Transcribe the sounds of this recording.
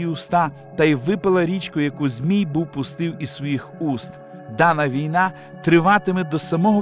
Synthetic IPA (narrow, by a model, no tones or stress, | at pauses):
iʊst̪ɑ | t̪ɐjʋɪpɐlˠɐɾʲit͡ʃkʊjɐkuzʲmʲijbuwpʊst̪ɪwisʋɔjixust̪ | d̪ɑnɐʋʲijnɑ | t̪ɾɪʋɑt̪ɪmɪd̪ɔsɐmɔɦɔ